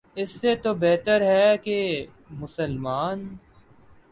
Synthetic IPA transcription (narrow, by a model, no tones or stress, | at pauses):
ɪsːet̪obɛːt̪əɾɦɛke | mʊsəlmaːn